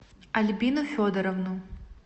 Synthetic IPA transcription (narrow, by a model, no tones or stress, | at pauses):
ɐlʲbʲinufʲɔd̪ɐɾɐvnu